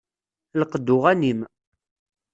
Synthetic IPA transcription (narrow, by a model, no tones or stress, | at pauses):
ləqəd̪ːʊʁænim